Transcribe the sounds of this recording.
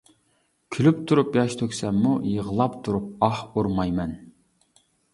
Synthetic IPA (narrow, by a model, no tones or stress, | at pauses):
kʲʰylypt̪ʰuɾupjɑʃt̪ʰøkʲsɛmːujəʁəlˠɑpt̪ʰuɾup̚ɑhoɾmɑjmɛn